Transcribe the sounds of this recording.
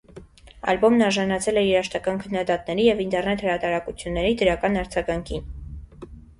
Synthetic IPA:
ɑ̰lbɔmnɑɾʒɑnɑt͡sʰɛlɛiɾɑʃt̪ɑkɑnkʰənːɑd̪ɑt̪nɛɾijɛvint̪ɛɾnɛt̪həɾɑt̪ɑɾɑkut͡sʰjunːɛɾid̪əɾɑkɑnɑɾd͡zɑɡɑŋkʰin

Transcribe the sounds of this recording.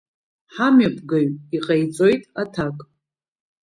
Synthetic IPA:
ħamɥapʰʼɡaɥiqʼajt͡sʼo̞jtʼatʰakʼ

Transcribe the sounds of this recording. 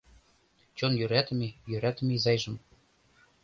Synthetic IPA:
t͡ɕonjyɾæt̪ə̆mejøɾæt̪ə̆mezɑjʒɤ̆m

